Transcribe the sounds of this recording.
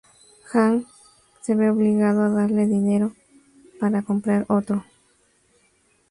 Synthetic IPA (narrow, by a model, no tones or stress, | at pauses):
xaŋ | se̞βeoβliɣaðoaðaɾle̞ðine̞ɾo̞ | paɾako̞mpɾaɾo̞t̪ɾo